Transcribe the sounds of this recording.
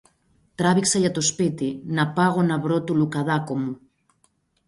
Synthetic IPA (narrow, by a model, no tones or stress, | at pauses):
t̪ɾaβiksajat̪ospit̪inapaɣonaβɾot̪ulukaðakomu